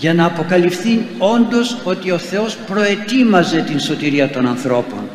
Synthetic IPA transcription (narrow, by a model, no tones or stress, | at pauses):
ʝɐnɐːpo̞kɐlifθio̞nd̪o̞so̞t̪io̞θe̞o̞spɾo̞et̪imɐze̞t̪inso̞t̪iɾiɐt̪o̞nɐnθɾo̞po̞̰n